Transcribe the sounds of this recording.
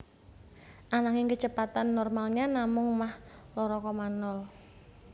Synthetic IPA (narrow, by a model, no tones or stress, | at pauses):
ʔanaŋɪŋkət͡ʃəpat̪anːɔrmalɲanamʊŋmahlɔɾɔkɔmanɔl